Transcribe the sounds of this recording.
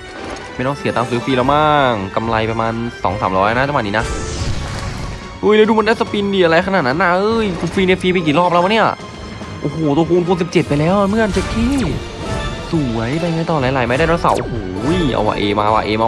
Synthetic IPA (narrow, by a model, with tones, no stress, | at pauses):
ma˥˩jnɔː˥˩ŋsi˨˩˦t̪aː˧msɯː˨˦˥fiː˧lɛː˦˥˩maː˥˩ŋka˧mla̰˧jpɾa˧maː˧nsɔ̰ː˩˦ŋsaː˩˦mɾɔː˦˥ja˧na˦˥t͡ɕa˧˩wmːa˧˩nːiː˦˥na˦˥ | ʔɤː˥˩lɛː˧jduː˧m˧nda˥˩sa˧pi˧ndiː˨˩ʔa˧ɾa˧jkʰa˧naː˨˩t̪̚na˦˥nːʔa˧ʔɤː˧˥˩jkʰu˧nfiː˧ne˦˥˩fiː˧pa˧jk̬iː˨˩lɔː˥˩p̚lwa˧˩ni˥˩a̰˧˩ | ʔoː˧˩hoː˨˩t̪u˧kʰuː˧nkʰuː˧nsi˨˩p̚t͡ɕe˨˩t̪̚pa˧jlɛː˦˥wmɯ˥˩˨nt͡ɕʰe˦˧˥kkʰiː˧˥˩ | su˨˩˦ɐjpa˧jŋaː˧˥jt̪ɔː˧˩laː˨˦jlaː˨˩˦jma˧˩jdaː˥˩tɔː˧˥nsa̰˧˩wʔo̰˧hoː˩˦jʔa̰˧wa̰ː˧˩ʔeː˧maː˧wa̰ː˧ʔeː˧maː˧